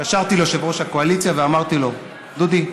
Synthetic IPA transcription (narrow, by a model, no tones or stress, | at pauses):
aʃaʁt̪ilo̞ʃevʁoʃhako̞alit͡sjaveamaʁt̪ilo̞ | d̪ud̪i